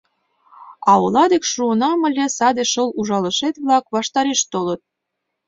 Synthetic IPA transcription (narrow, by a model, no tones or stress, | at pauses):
ɑɤ̆lɑd̪ekʃuɤnɑmə̆lʲesɑd̪eʃɤluʒɑlə̆ʃet̪βlɑkβɑʃt̪ɑɾeʃt̪olɤ̆t̪̚